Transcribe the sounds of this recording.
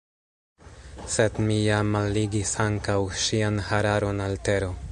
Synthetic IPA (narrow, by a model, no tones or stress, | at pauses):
sedmijamalːiɡisaŋkawʃianhaɾaɾo̞nalte̞ɾo̞